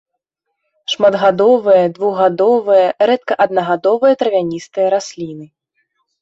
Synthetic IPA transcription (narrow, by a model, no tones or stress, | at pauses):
ʂmad̪ɣad̪ɔvɨjɐd̪vuɣɣad̪ɔvɨjɐɾɛt̪̚kɐʔɐd̪̚nɐɣad̪ɔvɨjɐt̪ɾɐvʲanʲist̪ɨjɐɾasʲlʲinɨ